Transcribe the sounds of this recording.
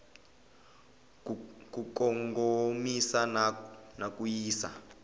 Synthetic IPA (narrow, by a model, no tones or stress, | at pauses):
kukɔŋɡomisannak̬ʼujiːsa̰